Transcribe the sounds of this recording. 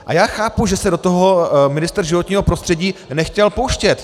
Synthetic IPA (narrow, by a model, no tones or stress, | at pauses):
ʔa̰jaːxaːpuʒɛsɛdo̞t̪oɦo̞mɪnɪst̪ɾʒɪvo̞t̪ɲiːɦo̞pɾost̪r̥ɛɟiːnɛxcɛlpowʃcɛt̪